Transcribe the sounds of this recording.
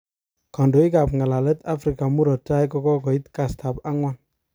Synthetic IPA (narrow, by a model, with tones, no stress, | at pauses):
kɔ˨ndo˨i˦ka˨p̚ŋa˨la˨lɛ˦t̪a˦fɾi˨ka˨mu˦ɾɔ˨ta˦jkɔ˧kɔ˦kɔ˨i˦t̪ka˨st̪ʰa˨pa˦ŋwa˦n